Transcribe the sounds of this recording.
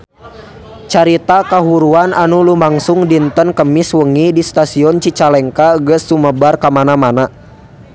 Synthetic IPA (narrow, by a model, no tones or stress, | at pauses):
t͡ʃaɾit̪akaɦuɾuanʔanulumaŋsuŋdint̪ənkəmiswəŋidist̪asiɔnt͡ʃit͡ʃalɛŋkaɡəsuməbarkamanamana